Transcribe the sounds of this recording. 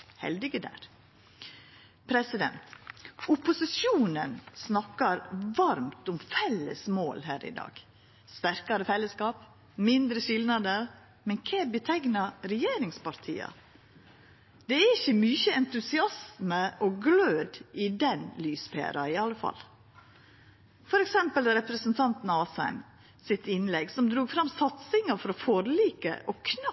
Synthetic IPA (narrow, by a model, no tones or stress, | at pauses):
hɛ̰ld̪ɪɡəd̪æ̰ɾ | pʰɾɛsɪd̪ɛ̰nt̪ʊpʊsɪʃjuːnənsnɑkːɑɾʋɑɾmt̪ʊmfɛlːə̰smoːlɦæːɾɪ̰d̪ɑ̰ːɡ̥ | st̪æɾkɑɾəfɛlːəskɑːp | mɪnd̪ɾəʃɪlnɑd̪əɾ | mɛnkʰebət̪ʰɛɡnɑɾɛjeːɾɪŋspɑɾt̪ʰḭːɑ̰ | d̪̥ɛæɾɪçəmyːçəɛnt̪ʉsɪɑsməʔɔɡløːd̪ʔɪd̪ɛnlyːspʰḛːɾɑɪɑlːəfɑ̰l | fɔɾɛksɛmpəld̪ɾɛpɾəsənt̪ʰɑnt̪n̩ɑːsæ̰ɪm | sɪt̪ɪnlɛɡsɔmd̪ɾuːɡfɾɑmsɑt̪sɪŋɑɾfɔɾɔfɔɾliːkə̰ʔɔkʰnɑ